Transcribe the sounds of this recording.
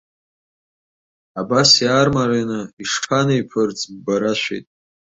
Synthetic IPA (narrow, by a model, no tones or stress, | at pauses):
abasjaːrmaɾenɨiʂʈ͡ʂʰanejpʰɨrt͡sʼbaɾaʃʷḛjtʼ